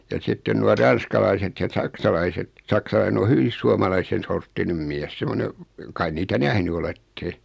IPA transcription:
jɑ sitːen nuɑ rɑn̞skɑlɑiset jɑ sɑksɑlɑiset sɑksɑlɑine o hyʋis suɑmɑlɑisen̞ sortːinem miɛs semone kɑi niːtæ næhny oletːe

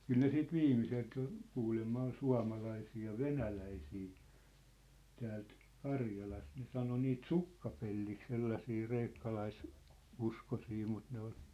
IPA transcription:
kyl ne siːt ʋiːmiselt jo kuːlemːɑ ol suɑ̝mɑlɑisiː jɑ ʋenælæisiː tæːlt kɑrjɑlɑst ne sɑno niːt sukːɑpelːik selːɑsiː reikːɑlɑis uskosi mut ne ol

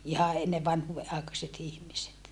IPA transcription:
ihɑ enːe ʋɑnhuːʋe ʔɑˑekɑset ihmiset

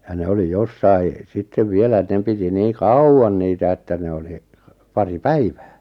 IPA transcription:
jɑ ne oli josːɑi sitːeʋ ʋielæ et ne piti niː kɑuwɑn niːtæ etːæ ne oli pɑri pæiʋæ̥ː

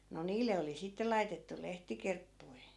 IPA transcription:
no niːlːe oli sitːe lɑitetːu lehtikerpːui̯

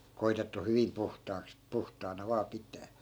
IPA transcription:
koitetːu hyʋim puhtɑːks puhtɑːnɑ ʋɑː pitˑæː

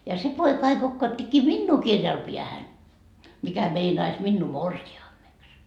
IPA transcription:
jɑ se poikɑ ɑi kokːɑːtːikːiː minːuː kirjɑl piæhæn mikæ meinɑis minːuː morsiɑːmːeks

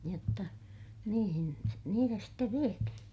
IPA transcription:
jotːɑ niːhin niːtæ steʋ ʋiethĩː

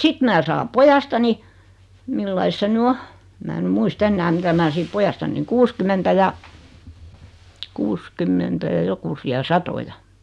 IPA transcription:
sit mæː sɑːm pojɑstɑni milːɑis se ny o em mæː ny muist enːæː mitæ mæ sit pojɑstɑnːiŋ kuːskymːentæ jɑ kuːskymːentæ jɑ jokusiɑ sɑtojɑ

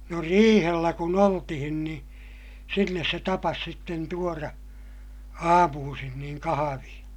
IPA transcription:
no riːhelːæ kun oltihin ni sinːes se tɑpɑs sitːen tuorɑ ɑːmuːsin niːŋ kɑhɑʋĩː

